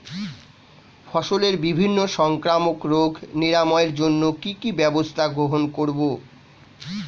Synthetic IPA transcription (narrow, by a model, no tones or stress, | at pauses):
fɔʃoleɾbibʱinːoʃɔŋkɾamokɾoɡʱniɾamɔeɾd͡ʑonːokikibɛbost̪ʰaɡɾoɦonkoɾbo